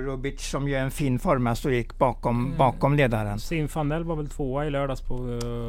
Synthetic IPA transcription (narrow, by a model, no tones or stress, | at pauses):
ɾʊbɪt̪sɔmjʊɛnfiːnfɔɾmasɔjɪkːbɑːkɔmbɑːkɔmleːd̪aɾənsinfɑnɛlʋɑːɾʋɛlt̪ʰvoːaɪløːɖɑspʰɔ